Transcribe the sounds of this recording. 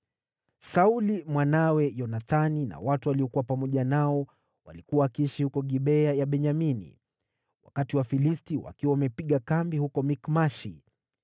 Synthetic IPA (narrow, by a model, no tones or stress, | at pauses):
saulimwanawɛjɔnaθanina̰watuwaliɔkuwapamɔʄanaɔ | wa̰likuwakiiʃihukɔɠiɓɛajaɓɛɲaminḭ | wa̰katiwafilistiwa̰kiwawamɛpiɠakambihukɔmikmaʃḭ